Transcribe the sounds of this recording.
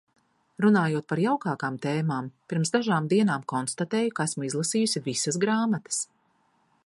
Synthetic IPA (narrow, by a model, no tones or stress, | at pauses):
ɾunaːjuɔt̪̚paɾjawkaːkaːmt̪eːmaːmpiɾmsd̪aʒaːmd̪iɛnaːmkɔnst̪at̪eːjukaæsmuizlˠasiːjusivisɐsɡɾaːmat̪ɐ̥s